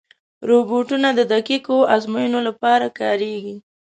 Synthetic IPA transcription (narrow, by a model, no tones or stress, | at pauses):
ɾoboʈunad̪əd̪akikoazmajənolapɑɾakɑɾeɡi